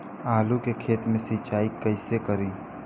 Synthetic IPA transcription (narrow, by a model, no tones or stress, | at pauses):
aːlukekʰeːt̪mẽsit͡ʃaːikəɪsekəɾiː